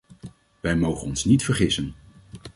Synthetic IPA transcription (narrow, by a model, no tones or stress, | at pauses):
ʋɛjmowχənɔnsnitfəɹχɪsən